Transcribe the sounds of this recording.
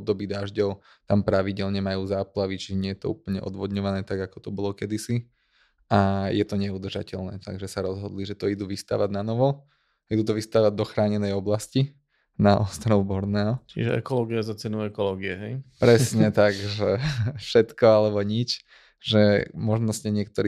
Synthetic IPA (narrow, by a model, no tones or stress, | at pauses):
b̚d̪ɔbiːd̪aːʒɟɔʊ | t̪ampɾaʋiɟɛlɲɛmajuːzaːplaʋit͡ʃiʒɛɲɪɛjɛt̪ɔ̰ṵːpl̩ɲɛ̰ʔɔ̰d̪ʋɔd̪ɲɔʋanɛːt̪aɡakɔ̥t̪ɔbɔlɔkɛd̪isi | ʔajɛt̪ɔɲɛud̪rʒa̰cɛlnɛ̰ːt̪a̰ɡʒɛsaɾɔzɦɔd̪liʒɛt̪ɔid̪uːʋist̪a̰ːʋaɟnanɔʋɔ | id̪uːt̪ɔʋist̪aːʋaɟ̚d̪ɔxɾaːɲɛnɛjɔblasci | naʔɔ̰st̪ɾɔʊbɔɾnɛːɦɔt͡ʃḭʒɛɛ̰kɔlɔːɡiazat͡sɛnuʊɛkɔlɔːɡiɛɦɛjpɾɛsɲɛt̪aɡʒɛfʃɛt̪kɔalɛbɔɲit͡ʃ | ʒɛmɔʒnɔsɲɛɲɪɛk̚t̪ɔɾiː